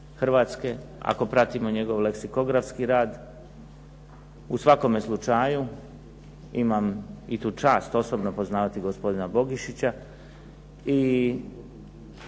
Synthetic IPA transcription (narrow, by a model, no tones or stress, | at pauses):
xr̩ʋaːt̪ske̞a̰ko̞pɾat̪imo̞ɲe̞ɡo̞ʋle̞ksiko̞ɡɾafskiɾaːd̪ | usʋako̞meslˠut͡ʃaju | imamit̪uːt͡ʃaːst̪o̞so̞bnopo̞znaːʋat̪iɡospo̞d̪inabo̞ɡiʃit͡ɕa | i